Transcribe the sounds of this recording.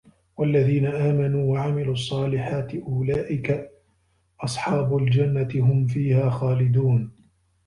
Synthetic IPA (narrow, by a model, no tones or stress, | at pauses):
walːaðiːnaʔaːmanuːwaʕamɪluːɑsˤːɑːlɪħaːt̪ɪʔʊlaːʔɪka | ʔɑsˤħɑːbʊld͡ʒanːat̪ɪɦʊmfiːhaːxaːlɪd̪uːn